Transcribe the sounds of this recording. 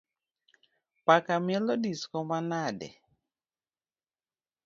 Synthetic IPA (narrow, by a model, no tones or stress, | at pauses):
pakamjɛlɔdiskɔmanadɛ̰